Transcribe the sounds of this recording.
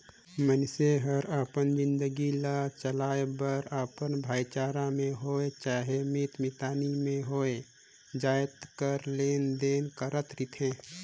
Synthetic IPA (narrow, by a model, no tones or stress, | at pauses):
mənseɦəɾəpənd͡ʒɪ̃nd̪əɡilat͡ʃəlaːebəɾəpənbʱaːjt͡ʃaːɾamẽɦoːet͡ʃaːɦemɪt̪mɪt̪aːnimẽɦoːe | d͡ʒaːjt̪kəɾleːnd̪eːnkəɾət̪ɾɪt̪ʰɦẽː